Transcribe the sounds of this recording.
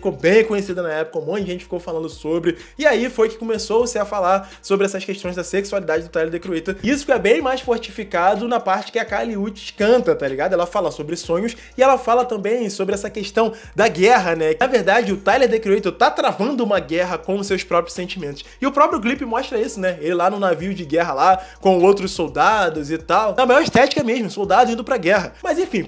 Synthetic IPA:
ffi̥kowbẽj̃kõɲesid̪ɐnɐɛpʊ̥kɐ̃mõɪʒẽnt͡ʃɪfikowfalɐ̃nd̪ʊsobɾɪ | ɪaifojkɪ̥komesowsɪɐfalaɾ | sobɾɪɛsɐskeʃt̪õj̃zd̪ɐseksualid̪ad͡ʒɪd̪ʊt̪ajleɾd̪ekɾuejt̪eɾisʊ̥fɛbẽj̃majsfoɾt͡ʃifikad̪ʊnɐpaɾt͡ʃɪ̥kɪɐkaliut͡ʃɪ̥ʃkɐ̃nt̪ɐt̪aliɡad̪ʊɛlɐfalɐsobɾɪsõɲʊs | ɪɛlɐfalɐt̪ɐ̃mbẽj̃sobɾɪɛsɐkeʃt̪ɐ̃w̃ | d̪ɐɡɛɦɐnɛnɐveɾd̪ad͡ʒɪʊt̪ajleɾd̪ekɾuejt̪oɾt̪at̪ɾavɐ̃nd̪ʊũmɐɡɛɦɐkõʊsewspɾɔpɾjʊsẽnt͡ʃimẽnt̪ʊ̥sɪʊpɾɔpɾjʊklipɪmɔʃt̪ɾɐisʊnɛelɪlanʊnaviʊd͡ʒɪɡɛɦɐlakõowt̪ɾʊsowd̪ad̪ʊzɪt̪aw̪ɐ̃ɛiʃt̪ɛt͡ʃi̥kɐmeʒmʊsowd̪ad̪ʊĩnd̪ʊpɾɐɡɛɦɐmɐzẽfĩ

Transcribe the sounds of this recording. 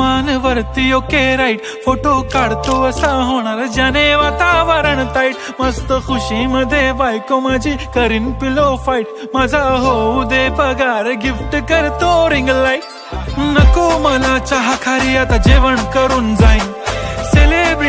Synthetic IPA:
manʋəɾt̪ijokeɾaiʈ | foʈokaɽt̪oəsaɦoɽ̃aɾd͡ʑaneʋat̪aʋəɾəɳt̪aiʈ | məst̪əxuɕiməd̪ʱːjebajkomad͡ʑʱikəɾiːnpilofajʈ | mad͡zʱaɦoud̪epəɡaɾɡifʈkəɾt̪oɾiŋɡlajʈ | nəkoməlat͡ɕaɦakʰaɾiat̪ad͡ʑiʋəɳkəɾuːnd͡zaj | selebɾ

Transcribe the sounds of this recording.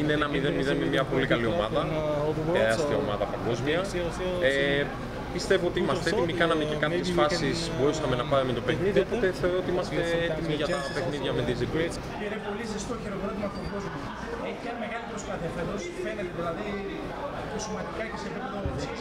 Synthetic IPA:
ineenɐmiðenmiðenmemɲɐpo̞likɐlio̞mɐðɐ | ɐsst̪io̰mɐ̰ðɐpɐŋɡo̞zmiɐe | pist̪e̞vo̞o̞t̪iimɐsst̪eet̪imikɐnɐmecekɐpçesfɐpsisboɾisɐme̞nɐpɐɾimet̪o̞pe̞xniðiiopo̞t̪e̞θθeoɾoot̪iimɐst̪e̞et̪imiʝɐt̪ɐpe̞xniðʝɐmed̪izipi | peɾepo̞lisest̪oçeɾo̞vɾo̞t̪imɐfoɡo̞zmiɐ | eçiɐnme̞ɣɐlipɾospɐθiɐfeðosfe̞net̪eðilɐði | tosimɐd̪ikɐce̞sepipeðooð

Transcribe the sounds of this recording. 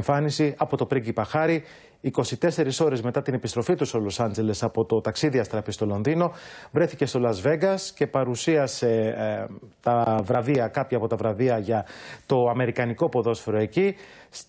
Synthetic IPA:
ɱfɐnisiɐpo̞t̪o̞pɾiɟipɐxɐɾiː | ko̞sit̪e̞se̞ɾiso̞ɾe̞zme̞t̪ɐt̪ine̞pist̪ɾo̞fit̪usolosɐnd͡ze̞le̞sɐpo̞t̪o̞t̪ɐksiðiɐst̪ɾɐfist̪o̞lo̞nðino̞vɾe̞θice̞st̪o̞lɐzve̞ɡɐsce̞pɐɾusiɐse̞ | t̪ɐvɾɐðiɐkɐpçɐpo̞t̪ɐvɾɐðiɐʝɐt̪o̞ɐme̞ɾikɐniko̞po̞ðo̞sfoɾo̞e̞ci

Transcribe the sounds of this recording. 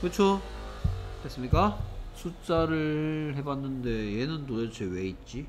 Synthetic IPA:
kɯt͡ɕʰo | kɯɡes͈ɯmɲik͈asʰut͡ɕ͈aɾɯɭɦe̞banːɯnde̞jenɯntoɾet͡ɕʰewe̞it̚t͡ɕ͈i

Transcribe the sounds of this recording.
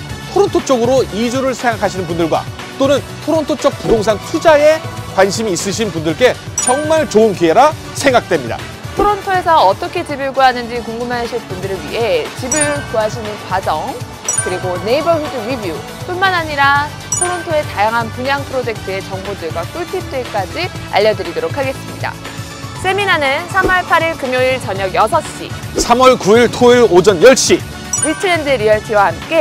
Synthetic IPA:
tʰoɾontʰot͡ɕ͈ʌɡɯɾoid͡ʑuɾɯɭsʰeŋɡakʰaɕʰinɯnpundɯɭɡwa̰ | t͈onɯn | tʰoɾontʰot͡ɕ͈ʌk̚pudoŋs̬ʰaŋtʰud͡ʑaekwanɕʰimiːs͈ɯɕ̬ʰinpundɯɭk͈e̞t͡ɕʌŋmaɭt͡ɕoɯnkiɦeɾa | sʰe̞ŋɡak̚t͈we̞mɲida̰ | tʰoɾontʰoe̞sʰʌːt͈ʌkʰe̞t͡ɕibiɭɡoɦanɯnd͡ʑikoŋɡɯmɦaɕʰiɭpundɯɾɯɭɥḭɦe̞t͡ɕibɯɭkoɦaɕʰinɯnkwad͡ʑʌŋ | kɯɾiɡone̞ibʌɸudɯwɥibju | p͈unmanɦaɲiɾa | sʰoɾontʰoe̞tajaŋɦanpuɲaŋpʰɯɾod͡ʑe̞k̚tʰɯe̞t͡ɕʌŋbodɯɭɡwak͈uɭtʰit͈e̞k͈ad͡ʑia̰ʎːʌdɯɾidoɾokʰaɡe̞s͈ɯmɲida̰ | s͈ʰe̞minanɯnsʰamʌɭpʰaɾiɭkɯmjoiɭt͡ɕʌɲʌɡjʌsʰʌɕ͈ḭsʰamwʌɭkuiɭtʰoiɾod͡ʑʌnjʌɭɕ͈i | witʰɯɾendɯɾiʌɭtʰiwahamk͈e̞

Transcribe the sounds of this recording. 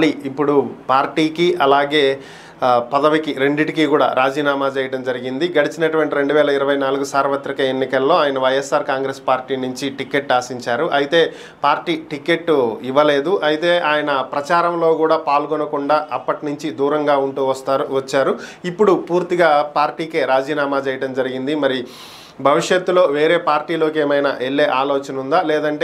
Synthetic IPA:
ɐliipːuɽupaːɾʈiːkiʔɐlaːɡe̞ː | pɐd̪ɐʋikiɾe̞ɳɖiʈikikuːɽa̰ːɾʔaːd͡ʒiːnaːmaːt͡ʃɛːjɐʈɐmd͡ʒɐɾiɡind̪iɡɐɽit͡ʃinɐʈuʋɐɳʈiɾe̞ɳɖuʋɛːlɐiɾɐʋɐjnaːluɡusaːɾʋɐt̪ɾikɐenːikɐlːo̞ːaːjɐnɐʋɐjesːaːɾkaːŋɡɾeːspaːɾʈiːnuɲt͡ʃiʈike̞ʈːaːsiɲt͡ʃaːɾuʔɐjit̪e̞ː | paːɾʈiːʈike̞ʈːuiʋɐle̞ːd̪uʔɐjit̪e̞ːʔaːjɐnɐpɾɐt͡ʃaːɾɐmlo̞ːɡuːɽaːpaːlɡɔnɐkuɳɖaːʔɐpːɐʈnuɲt͡ʃid̪uːɾɐŋɡaːuɳʈuːʋɐst̪aʋɐt͡ʃːaːɾuipːuɽupuːɾt̪iɡaːpaːɾʈiːkeːɾaːd͡ʒiːnaːmaːt͡ʃɛːjɐʈɐmd͡ʒɐɾiɡind̪imɐɾi | bʱɐʋiʂjɐt̪ːulo̞ːʋe̞ːɾe̞ːpaːɾʈiːlo̞ːk̬eːmɐjnɐ̰ʔeɭːe̞ːʔaːloːt͡ʃɐnund̪aːlɛːd̪ɐɳʈeː

